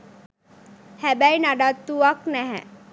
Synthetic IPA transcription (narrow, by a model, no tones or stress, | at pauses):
hɛbɛjnaɖat̪ːuaknɛɦɛ̰̃